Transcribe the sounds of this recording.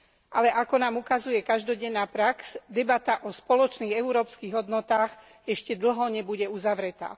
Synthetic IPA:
ʔalɛʔakɔnaːmukazujɛkaʒd̪ɔɟɛnːaːpɾaksd̪ɛbat̪aʔɔspɔlɔt͡ʃniːɣɛuɾɔːpskiːɣɦɔd̪nɔt̪aːɣ | ɛʃcɛd̪l̩ɦɔɲɛbuɟɛuzaʋɾɛt̪a̰ː

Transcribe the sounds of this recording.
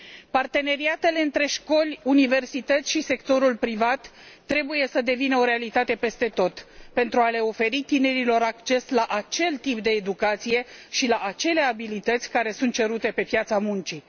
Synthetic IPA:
part̪e̞ne̞ɾiat̪e̞le̞ɨnt̪ɾe̞ʃko̞lʲunive̞rsit̪ət̪sʲʃise̞kt̪o̞ɾulpɾivat̪ː | ɾe̞buje̞səd̪e̞vinəo̞ɾe̞alit̪at̪e̞pe̞st̪e̞t̪o̞t̪pe̞nt̪ɾuale̞o̞fe̞ɾit̪ine̞ɾilo̞ɾakt͡ʃe̞slaʔat͡ʃe̞lt̪ip̚d̪e̞ːd̪ukat̪sije̞ʃilaʔat͡ʃe̞le̞abilit̪ət̪sʲkaɾe̞sunt̪̚t͡ʃe̞ɾut̪e̞pe̞pjat̪samunt͡ʃi

